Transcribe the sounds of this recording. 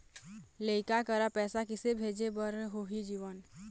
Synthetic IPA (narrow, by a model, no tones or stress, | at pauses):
leɪkakəɾapɛːsakɪsebʱeːd͡ʒebəɾɦoɦid͡ʒiːʋən